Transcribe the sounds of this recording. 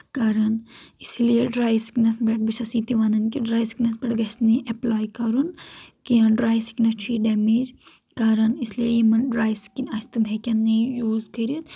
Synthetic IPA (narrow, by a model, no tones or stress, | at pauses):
kaɾɐnislijeɖɾaːjsi̥knɐsbɛʈ̚biʃɐsiːt̪iʋaːnɐnkiɖɾaːjsi̥knɐsbɐʈɡɐsniʔɐplaːjkɐɾunkijɐnɖɾaːjsi̥kinɐt͡ʃʰiːɖɛːmed͡ʒ | kaːɾɐnisliejimɐnɖɾaːjsi̥kinɐst̪ɨbʱekʲɐnːijuːzkɐɾit̪